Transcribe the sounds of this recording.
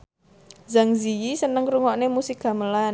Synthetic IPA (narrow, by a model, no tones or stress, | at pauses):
zaŋzijisənəŋɾuŋɔʔnemusika̤məlan